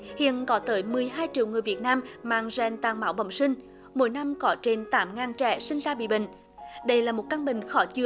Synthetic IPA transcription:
hḭ˧˨ənkɔ˨˦t̪əː˨˦jmɨ˨˩əjɦaː˧jt͡ɕḭ˧˨wŋɨ˨˩əjvi˨˩ət̚naː˧mmaː˧˨ŋzɛ˨˩nt̪aː˨˩ŋmaː˨˦wɓə̰˧˩wŋ͡msï˧ŋ̟ | mo̰˧˦jna˧mkɔ˨˦t͡ɕe˧nt̪aː˨˦mŋaː˨˩nt͡ɕɛ̰˧˥sï˧ŋ̟zaː˧ɓḭ˧˨ɓï˧˨ŋ̟ | ɗə˧jlaː˨˩mo˨˩t̚kə˧nɓï˨ŋ̟xɔ˨˦t͡ɕɨ˧˩ə

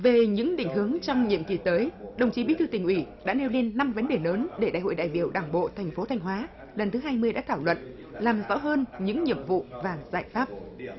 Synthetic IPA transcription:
ve˨˩ɲɨ̰˧˥ŋɗï˧˩ŋ̟ɦɨ˨˦əŋt͡ɕɔ˧wŋ͡mɲḭ˧˨əmki˨˩t̪əː˨˦jɗə˨˩wŋ͡mt͡ɕi˨˦ɓḭ˧˥t̪ɨ˧t̪ï˨˩ŋ̟ʔwi˧˩ɗa̰ː˧˥ne˧wle˧nːa˧mvə˨˦nɗe˨˩ləː˨˦nɗe˧˩ɗa̰ː˧˨jho̰˧˨jɗa̰ː˧˨jɓḭ˧˨əwɗaː˧˩ŋɓo̰˧˨t̪ʰɛ˨˩jŋ̟fo˨˦t̪ʰa˧jŋ̟ɦwaː˨˦ | lə˨˩nt̪ʰɨ˨˦ɦaː˧jmɨ˧əjɗa̰ː˧˥t̪ʰaː˧˩wlwə̰˧˨n | laː˨˩mzɔ̰˧˥ɦəː˧nɲɨ̰˧˥ŋɲḭ˧˨əmvṵ˧˨vaː˨˩za̰ː˧˨˩jfaː˦˥p̚

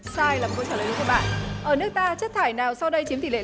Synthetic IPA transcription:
saː˧jlaː˨˩˨ko˧˩t͡ɕaː˧˩ə˨˩˨ɨ̰˧˥˦kːɓa̰ː˧˨nʔəː˧˩nɨ˦˥ək̚t̪aː˧t͡ɕə˦˥t̚t̪ʰaː˧˩jnaː˨˩wsa˧wɗə˧jt͡ɕi˨˦mt̪i˧˨lḛ˧˨

